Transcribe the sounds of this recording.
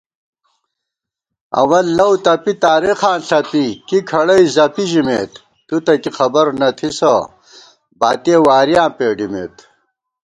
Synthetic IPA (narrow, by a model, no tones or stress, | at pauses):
ɐ̰wɐlːɐwt̪ɐpit̪aːɾexaːnɬɐpikikʰɐɽɐizɐpiʑimḛːt̪ː | ut̪ɐkixɐbɐɾnɐt̪ʰisɐ | ba̰ːt̪ewaːɾjãːpeːɖimḛːt̪